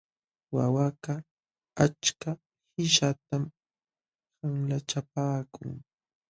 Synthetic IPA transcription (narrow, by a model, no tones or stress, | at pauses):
wawaka | at͡ʃka | hɪʃat̪am | haŋlat͡ʃapaːkʊ̰ŋ